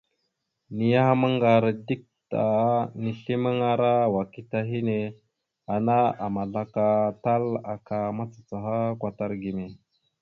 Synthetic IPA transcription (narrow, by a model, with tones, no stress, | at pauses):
ni˨ja˦ha˦mə˦ŋɡa˨ɾdi˦k̚ta˨ni˨ɬi˦mə˦ŋa˨ɾa˦wa˨ki˦ta˨ɦi˦ne˨ | a˨na˦a˨ma˨ɮa˨ka˨ta˦la˨ka˨ma˦t͡sḁ˨t͡sa˨ɦa˦kʷa˨ta˦ɾɡi˨me˨